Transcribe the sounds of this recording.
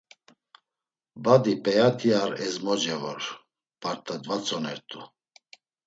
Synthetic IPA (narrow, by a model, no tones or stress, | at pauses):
bad̪ipʼɛjat̪ʰiaɾɛzmɔd͡ʒɛvɔɾ | paɾt̪ʼad̪vat͡sʰʼɔnɛɾt̪ʼu